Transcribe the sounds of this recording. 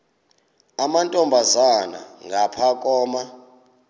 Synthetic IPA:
amantʼɔmbʱazana̰ŋɡʱapʰakʼɔːma

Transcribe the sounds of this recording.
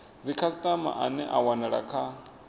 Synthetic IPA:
d͡zikʰasitʼama̰ʔanɛʔa̰wanaɺa̰kʰa

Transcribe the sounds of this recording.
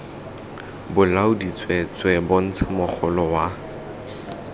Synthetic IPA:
bʊlaʊdit͡sʼwet͡sʼwɛbʊn̩t͡sʰamʊk͡xʰɔlɔwa

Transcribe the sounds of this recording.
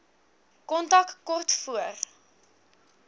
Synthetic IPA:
kɔntɐkkɔrtfuər

